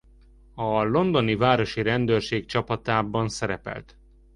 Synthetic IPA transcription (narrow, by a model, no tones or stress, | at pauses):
ɒlo̞nd̪o̞nivaːɾo̞ʃiɾɛnd̪øːrʃeːk̚t͡ʃɒpɒt̪aːbɒnsɛɾɛpɛ̰lt̪